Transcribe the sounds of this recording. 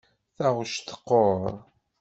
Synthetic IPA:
θæʁʃt̪ə̥qːoɾɾ

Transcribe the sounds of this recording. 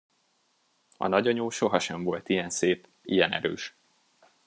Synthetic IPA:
ɒ̰nɒɟɒɲoːʃo̞ɦɒʃɛɱvo̞lt̪ijɛnseːp | ḭjɛnɛ̰ɾø̰ːʃ

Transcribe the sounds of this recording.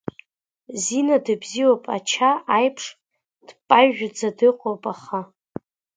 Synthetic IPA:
zinadɨbziwopʼat͡ʃʰaajpʰʂ | d̥pʼajʒᶣd͡zadɨqʷʼowpʼaχa

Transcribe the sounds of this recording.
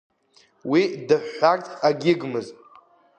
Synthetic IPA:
widɨħːartʰʼaɡʲɪɡmɨz

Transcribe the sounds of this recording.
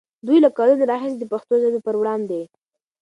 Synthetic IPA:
d̪ujlakɑlunaɾɑɦɪsd̪əpaxt̪ozebipəɾwɽɑnd̪e

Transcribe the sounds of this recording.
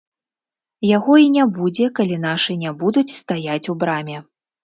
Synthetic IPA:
jaɣɔinʲabud͡zʲɛkalʲin̪aʂɨnʲabud̪ut͡sʲst̪ajat͡sʲubɾamʲɛ

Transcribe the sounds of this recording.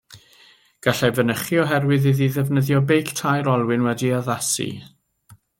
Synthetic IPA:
ɡ̥aɬɛvənəχiɔɦɛrwɨðiðiðɛvnəðjɔbejktʰajɾɔlˠwɪnwɛdiaðasḭ

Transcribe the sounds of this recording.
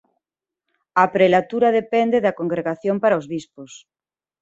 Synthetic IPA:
apɾelat̪uɾaðepend̪eðakoŋɡɾeɣaθjompaɾaozβispos

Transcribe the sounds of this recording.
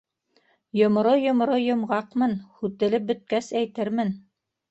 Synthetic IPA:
jŏm̆ɾojŏm̆ɾojŏmʁɑqmɤnhʉt̪ɘ̆lɘp̚bɵ̆t̪̚kæsæjt̪ɘɾmɘn

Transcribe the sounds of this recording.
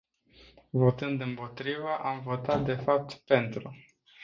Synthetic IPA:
vo̞t̪ɨnd̪ɨmpo̞t̪ɾivəʔamvo̞t̪at̪̚d̪e̞fap̚t̪pe̞nt̪ɾu

